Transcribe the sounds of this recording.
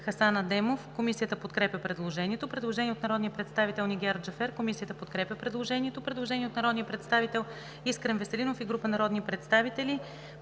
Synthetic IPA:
xɐsanəd̪ɛmofkomisijət̪əpot̪kɾɛpjəpɾɛd̪lˠoʒɛniɛt̪opɾɛd̪lˠoʒɛniɛot̪nɐɾɔd̪nijəpɾɛt̪st̪avit̪ɛlˠniɡʲaɾd͡ʒɐfɛɾkomisijət̪əpot̪kɾɛpʲjəpɾɛd̪lˠoʒɛnʲiɛt̪opɾɛd̪lˠoʒɛniɛot̪nɐɾɔd̪nijəpɾɛt̪st̪avit̪ɛlˠ | iskɾɛnvɛsɛlinofiɡɾupənɐɾɔd̪nipɾɛt̪st̪avit̪ɛli

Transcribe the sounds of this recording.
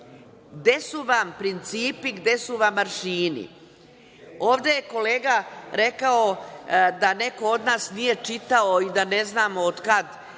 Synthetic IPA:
ɡd̪e̞suʋampɾint̪siːpiɡd̪e̞suʋamːaɾʃiːnḭ | o̞ːʋd̪eje̞ko̞le̞ːɡaɾe̞kaod̪ane̞ko̞o̞d̪naːsnije̞t͡ʃit̪aoid̪ane̞znaːmood̪kad̪

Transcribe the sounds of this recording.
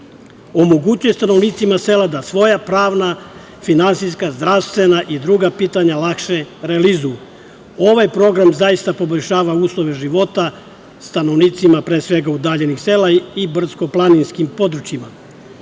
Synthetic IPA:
o̞moɡut͡ɕujest̪ano̞ʋniːt̪simase̞lad̪asʋo̞japɾaːʋna | finansijskazd̪ɾaʋst̪ʋe̞naʔid̪ɾuɡapiːt̪aɲalˠakʃe̞ɾelizuju | o̞ʋajpɾo̞ɡɾamzajist̪apo̞boʎʲʃaːʋauːslˠo̞ʋe̞ʒiʋo̞t̪a | st̪ano̞ʋniːt̪simapɾeːsʋe̞ɡaud̪aːʎe̞nixselaibr̩sko̞plˠaninskimpo̞d̪ɾut͡ɕima

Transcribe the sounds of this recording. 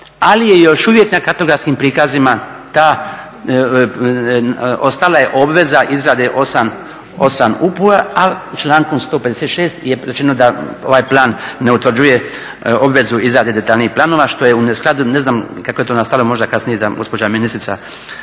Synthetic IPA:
alije̞jo̞ʃuʋje̞knakat̪o̞ɡɾafskimpɾiːkazima | t̪aː | o̞st̪alaje̞ʔo̞bʋe̞zaʔizɾaːd̪eʔo̞sam | o̞̰samupuɾaat͡ʃlaːŋkomst̪oːpe̞d̪eset̪ʃeːst̪jeɾet͡ʃe̞nod̪ao̞̰ʋajplˠaːnːe̞ut̪ʋrd͡ʑuje̞ | o̞bʋe̞zuizɾaːd̪ed̪e̞t̪alniːplˠaːno̞ʋaʃt̪o̞je̞unesklad̪une̞znaːmkakoet̪oːnast̪alomo̞ʒd̪akasnijed̪aɡo̞spo̞d͡ʑaminist̪ɾit̪sa̰

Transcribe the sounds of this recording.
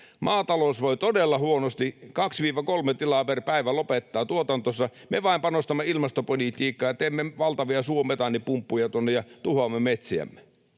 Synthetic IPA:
mɑːt̪ɑlosʋoit̪odelːɑhuonost̪ikɑksʋiːʋækolmet̪ilɑperpæiʋælopet̪ːɑːt̪uot̪ɑnt̪osːɑmeʋɑˑimpɑnost̪ɑmːeilmɑst̪opolit̪iːkːɑːjɑt̪eːmːeʋɑlt̪ɑʋiɑsuomet̪ɑnːipumpːujɑt̪uonːejɑt̪uhomːemet̪siæ̰mːe

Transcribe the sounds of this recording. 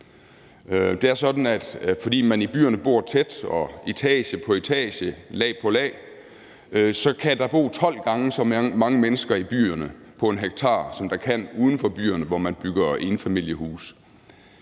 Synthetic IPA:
d̥e̝æɐsɒ̽d̥n̩æd̥fɒ̽d̥ḭːmænib̥y̰ːɐnəb̥o̝̰ɐ̰t͡sʰed̥ɒ̽it͡sʰɛ̰ːɕəpʰɒ̽it͡sʰɛ̰ːɕəlɛ̰ːpʰɒ̽lɛ̰ː | sɒ̽kʰæd̥ɑ̈b̥o̝̰ːt͡sʰɒ̽l̰ɡ̥ɑ̈ŋəsɒ̽mɑ̈ŋəmenəsɡ̥ɐib̥y̰ːɐnəpʰɒ̽e̝nɦeɡ̥̚t͡sʰɑ̰̈ːsɒ̽md̥ɑkʰæn̰uːð̞ˠn̩fɒb̥y̰ːɐnəʋɒmænb̥yɡ̥ɐe̝nfæmil̰jəhṵːs

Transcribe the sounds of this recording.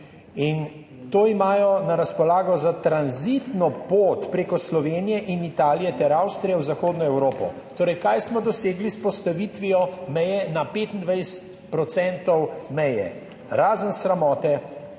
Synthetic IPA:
in | t̪oːimaːjɔnaɾaspɔlaːɡɔzat̪ɾanzit̪nɔpoːt̪pɾeːkɔslɔʋeːnijɛʔinit̪aːlijɛt̪ɛɾawst̪ɾijɛwzaxoːd̪nɔɛwɾoːpɔ̰ | t̪oːɾɛjkajsmɔd̪ɔseːɡlispɔst̪aʋit̪ʋijɔmɛjɛnapeːt̪ind̪ʋɛjsə̥t̪ | pɾɔt̪sɛnt̪ɔwmɛjɛ̰ | ɾaːzənsɾamɔːt̪ɛ

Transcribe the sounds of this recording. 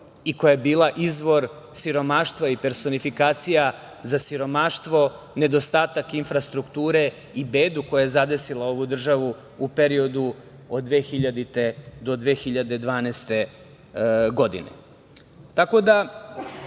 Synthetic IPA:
iko̞jaebiːlaʔizʋo̞ɾ | siɾo̞maʃt̪ʋaipe̞ɾso̞nifikaːt̪sija | zasiɾo̞maʃt̪ʋo̞ | ne̞d̪o̞st̪aːt̪akinfɾast̪ɾukt̪uːɾe̞ | ibeːd̪uko̞jaje̞zad̪e̞silˠao̞ʋud̪r̩ʒaʋu | upe̞ɾio̞d̪u | od̪d̪ʋeːxiʎad̪it̪ed̪o̞d̪ʋe̞ːxiʎad̪e̞d̪ʋaːnɛːst̪e̞ | ɡo̞d̪ḭnḛ | t̪ako̞d̪a

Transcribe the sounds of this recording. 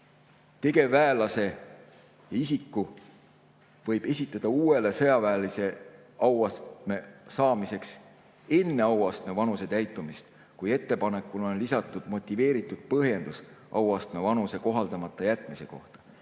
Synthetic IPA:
t̪e̞ɡe̞væelɑse̞ | jɑisikːu | vɤ̞jb̥e̞sʲit̪ːˑɑd̪̥ɑuːe̞le̞sɤ̞jɑvæːlise̞ | ɑwɑst̪me̞sɑːmise̞ks | e̞nːe̞ɑwɑst̪me̞vɑnuse̞t̪æjt̪ːˑumist̪ | kuje̞t̪ːe̞pɑne̞kːˑulo̞nlisɑt̪ːˑud̪̥mo̞t̪ʲːˑive̞ːɾit̪ːˑud̪̥̚pɤɦje̞nd̪̥us | ʔɑwɑst̪me̞vɑnuse̞ko̞ɦɑld̪ɑmɑt̪ˑːɑjæt̪ːˑmise̞ko̞ht̪ɑ̥

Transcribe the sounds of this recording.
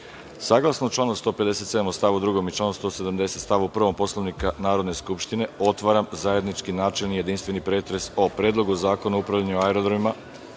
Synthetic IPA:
saːɡlˠasnot͡ʃlˠaːnost̪o̞ːpe̞d̪e̞se̞t̪se̞d̪amost̪aʋud̪ɾuɡo̞mit͡ʃlˠaːnost̪o̞ːse̞d̪amd̪e̞set̪st̪aʋuupr̩ʋompo̞slˠaʋnikanaːɾo̞d̪ne̞skupʃt̪ine̞o̞t̪ʋaɾamzaje̞d̪nit͡ʃkinaːt͡ʃelnije̞d̪inst̪ʋe̞nipɾeːt̪ɾe̞so̞pɾeːd̪lˠo̞ɡuozaːko̞nuoupɾaʋʎʲaɲuoaeɾod̪ɾomima

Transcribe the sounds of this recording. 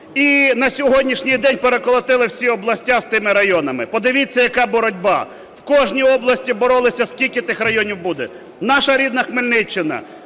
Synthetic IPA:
inɐsʲɔɦɔdʲnʲiʃnʲɪjd̪ɛnʲpeɾekɔlˠɐt̪ɪlˠɪwsʲiɔblˠɐsʲtʲaz̥t̪ɪmɪɾɐjɔnɐmɪ̰pɔd̪ɪʋʲɪt͡sʲːɐjɐkɑbɔɾɔdʲbɑ̰ | wkɔʒnʲijɔblˠɐsʲtʲibɔɾɔlˠɪsʲɐskʲilʲkɪt̪ɪxrɐjɔnʲiwbud̪ɛ | nɑʃɐɾʲid̪nɐxmɪlʲnɪt͡ʃːɪnɐ̰

